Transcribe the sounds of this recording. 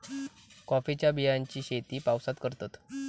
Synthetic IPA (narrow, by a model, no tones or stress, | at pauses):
kɔfit͡ɕjabiɦjaɲt͡ɕiːɕet̪iːpawsat̪kəɾt̪at̪